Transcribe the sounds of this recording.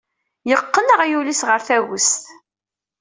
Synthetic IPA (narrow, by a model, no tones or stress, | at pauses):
jəqːənəʁjulisʁəɾθæwəst̪